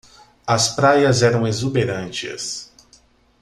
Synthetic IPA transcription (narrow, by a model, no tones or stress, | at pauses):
ɐspɾajɐzɛɾɐ̃w̃ezubeɾɐ̃nt͡ʃɪ̰s